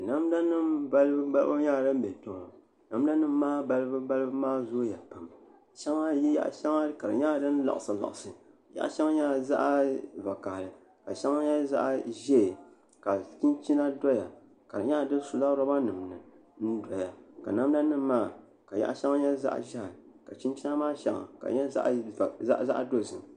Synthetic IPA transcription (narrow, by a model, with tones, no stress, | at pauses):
na˦mda˦nɨ˦mba˦lbɨ˦ba˦lʔo˦ɲaː˦˨dɨ˦m̩˦bɛ˨to˨ŋɔ˨ | na˦m˦da˦nɨ˦mː˦aː˦ba˦lɨ˦bɨ˦ba˦lɨ˦bɨ˦maː˦zoː˦ja˨pa˨m | ʃa˦ŋa˦jɛ˦ja̰˦ʔʃa˦ŋa˦ka˨ɾɨ̰˨ɲa˦˨dɨ˦n˦la̰˨ʔsɨ˨la̰˨ʔsɨ˨ | ja̰˦ʔʃa˦ŋa˦ɲa˦˨za̰˦ʔa˦va˨ka˨hlɨ˨ | ka˨ʃa˦ŋa˦ɲa˦za̰˦ʔa˦ʒɛ˦˨ | ka˨t͡ʃi˦nt͡ʃi˦na˦dɔ˦ja˨ | ka˨ɾɨ˨ɲa˦˨dɨ˦su˨la˦ɾɔ˦ba˦nɨ˨mnɨ˨n̩˦dɔ˨ja˨ka̰˨na˦m˦na˦nɨ˦m˦mːaː˦˨ | ka˨ja̰˦ʔa˦ʃa˦ŋ˦ɲɛ˦za̰˦ʔʒa˦˨ | ka˨t͡ʃi˦nt͡ʃi˦na˦maː˦ʃa̰˦ŋa̰˨ka̰˨ɲɛ̰˦ʔza˦ʔza̰˦ʔdo˦zɨ˨m